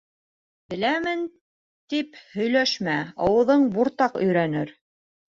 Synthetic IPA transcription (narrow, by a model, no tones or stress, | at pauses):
t̪ɘ̆læmɘn | t̪iphɵ̆jlæʃmæɑwɤ̆ðɤɴbuɾt̪ɑqɵ̆jɾænɘɾ